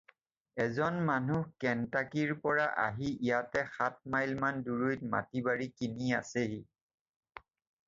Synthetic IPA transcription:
ɛzɔnmanukɛntakiɹpɔɹaʔa̰ɦiijatɛxat̚majlmanduɹojt̚ma̰tibaɹikiniaseɦi

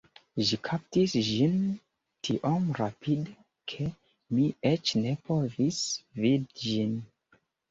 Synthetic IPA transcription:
ʒikʰap̚tisʒin | tʰiʔomɾapʰid | kʰe | miet͡ʃnepʰovisvidʒin

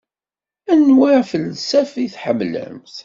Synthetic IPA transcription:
ænwaɾfəlsæfiθħəmːlæ̰mθ

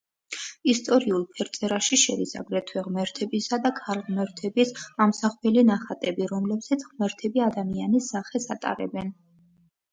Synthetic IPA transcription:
ist̪ʼɔɾiulˠpʰɛɾt̪sʼɛɾaʃiʃɛd̪isa̰ɡɾɛt̪ʰwɛʁmɛɾt̪ʰɛbisad̪akʰalʁmɛɾt̪ʰɛbisamsaχpʰɛlinaχat̪ʼɛbiɾɔmlɛbsat̪sʰʁmɛɾt̪ʰɛbiad̪amianisːaχɛsat̪ʼa̰ɾɛ̰bɛn

